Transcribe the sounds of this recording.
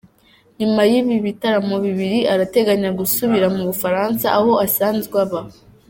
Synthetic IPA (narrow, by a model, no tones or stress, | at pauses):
ɲimajiβiβitaɾamuβiβiɾiʔaɾate̞ɡaɲaɡusuβiɾamuβufaɾaːnsaʔːho̞asaːnzɡwaβa